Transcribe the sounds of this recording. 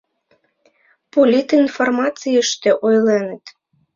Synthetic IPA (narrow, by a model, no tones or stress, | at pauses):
polʲit̪informɑt͡sijəʃt̪ĕʔojlenə̆t̪